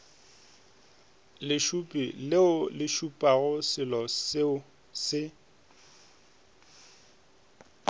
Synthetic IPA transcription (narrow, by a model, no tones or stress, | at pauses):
lɪʃupʼilɪʊlɪʃupʼaɣʊsɪlɔsɪʊ | sɪ